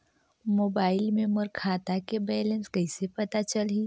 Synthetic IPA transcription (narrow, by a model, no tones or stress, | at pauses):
moːbaːɪlmẽməɾkʰaːt̪akebɛːlẽnskɐɪsepɐt̪at͡ʃəli